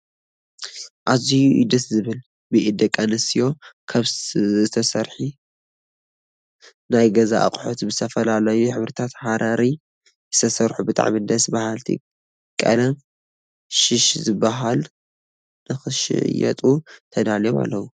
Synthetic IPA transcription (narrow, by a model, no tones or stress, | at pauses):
ʔazijuʔid̪ɐt̪zɨβɨl | bɨʔid̪ɐkʼːɐnɨsijo̞kʰaβzɨt̪ʰɐsɐɾħi | najɡɐza̰ʔa̰kʼħot̪bɨzɨt̪ʰɐfɐlalɐjuħɨβɾɨt̪ʰat̪ħaɾʔaɾi | zɨt̪ʰɐsɐɾħubɨt̪ʼa̰ʕmidɐsbahalt̪ʰḭ | kʼɐ̰lɐm | ʃɪʃzɨbaɦal | nɨxɨʃɪ̰ʕ̰jɛ̰t̪ʼut̪ʰɐd̪aljma̰lːɐwu